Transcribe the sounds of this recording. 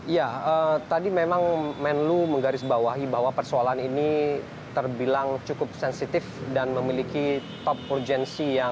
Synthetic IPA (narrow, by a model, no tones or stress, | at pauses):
ijaət̪adimemaŋmɛnluməŋɡaɾɪsbawaɦibaɦwapərsoalaanini | t̪ərbilaŋt͡ʃukʊp̚sɛnsit̪ɪfdanməmilikit̪ɔp̚urd͡ʒɛnsija